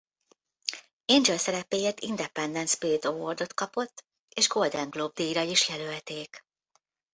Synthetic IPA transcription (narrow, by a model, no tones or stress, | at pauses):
end͡ʒøsɛɾɛpeːjeːt̪ḭnd̪ɛpɛnd̪ɛnsbeːd̪ovord̪o̞t̪kɒpo̞t̪ː | eːʒɡo̞ld̪ɛŋɡloːb̚d̪iːjɾɒjiʃjɛlølt̪eːk